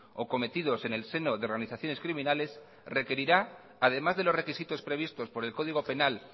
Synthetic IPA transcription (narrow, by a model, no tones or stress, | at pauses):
o̞ko̞me̞t̪ið̞o̞se̞ne̞lse̞no̞ðe̞o̞ɾɣ̞aniθaθjo̞ne̞skɾimĩnale̞s | re̞ke̞ɾiɾa | að̞e̞mazðe̞lo̞zre̞kisit̪o̞spɾe̞β̞ist̪o̞spo̞ɾe̞lko̞ð̞iɣ̞o̞pe̞nal